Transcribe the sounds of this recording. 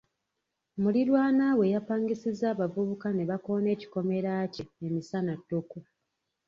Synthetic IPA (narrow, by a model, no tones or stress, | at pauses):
muliɾwaːnawe̞japaːŋɡisizaːβavuβukane̞βako̞ːne̞ːci̥ko̞me̞ɾaceemisanatːuku